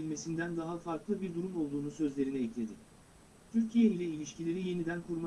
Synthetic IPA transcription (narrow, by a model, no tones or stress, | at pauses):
ilʲme̞sind̪ænd̪aɦafaɾklˠɯbiɾd̪uɾumo̞lˠd̪uːnusø̞zlʲe̞ɾiniɛclʲe̞d̪ɪ | t̪ʰyɾcʰijeilʲɛilʲiʃcilʲe̞ɾije̞nid̪ænkʰuɾma